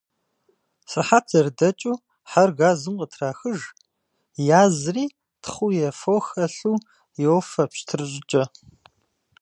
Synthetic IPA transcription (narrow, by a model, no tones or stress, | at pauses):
sɐħaːtʰɐrdɐt͡ʃʼuː | ħarɣaːzɨmqətʰraːxɨʒ | jaːzriː | tʰχʷujɛfoxɐɬuː | jɛwfɐpɕtʰɨrɨɕʼɪt͡ʃʼɐ